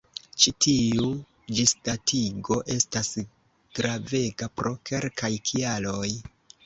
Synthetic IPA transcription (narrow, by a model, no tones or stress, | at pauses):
t͡ʃitʰiu | d͡ʒistatʰiɡo̞ʔe̞stas | ɡ̥ɾave̞ɡapɾo̞kʰe̞lkʰajkʰialo̞j